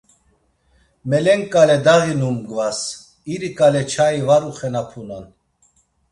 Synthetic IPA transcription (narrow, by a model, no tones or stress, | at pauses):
mɛlɛŋkʼalɛd̪aɣinumɡvas | iɾikʼalɛt͡ʃʰaivaɾuχɛnapʰunan